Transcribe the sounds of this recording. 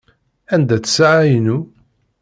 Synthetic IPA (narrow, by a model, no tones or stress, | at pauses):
ænd̪æt͡sːə̥saʕajnu